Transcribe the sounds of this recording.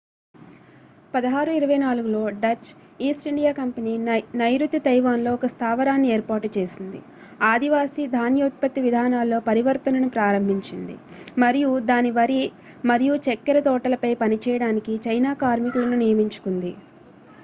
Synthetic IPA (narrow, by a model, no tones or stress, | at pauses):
pɐd̪ɐɦaːɾuiɾɐʋɐjnaːluɡulo̞ːɖɐt͡ʃ | iːsʈiɳɖijaːkɐmpɐniːnɐjɾut̪ːit̪ɐjʋaːnlo̞ːɔkɐst̪ʰaːʋɐɾaːnːieːɾpaːɾʈːut͡ʃe̞ːsind̪ḭ | aːd̪iʋaːsid̪ʱaːnjɐut̪̚pɐt̪ːiʋid̪ʱaːnaːlːo̞ːpɐɾiʋɐɾt̪ɐnɐnupɾaːɾɐmbʱiɲt͡ʃind̪ḭ | mɐɾijud̪aːniʋɐɾi | mɐɾijut͡ʃɛkːɐɾɐt̪ɔːʈɐlɐpɐjpɐnit͡ʃɛːjɐɽaːnikit͡ʃɐjnaːkaːɾmikulɐnunijɐmiɲt͡ʃu̥kund̪ḭ